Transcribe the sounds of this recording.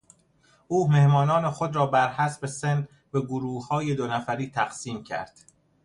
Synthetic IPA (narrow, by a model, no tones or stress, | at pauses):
ʔuːme̞hmɒːnɒːne̞xod̪ɾɒːbæɾhæsbesen | beɡoɾuːhhɒːje̞d̪onæfæɾiːt̪ʰæɣ̥siːmcʰæ̰ɾd̪̥